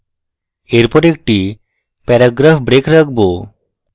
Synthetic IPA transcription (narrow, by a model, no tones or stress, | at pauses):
eɾpɔɾek̚ʈi | pɛɾaɡɾafbɾekɾak̚ʰbo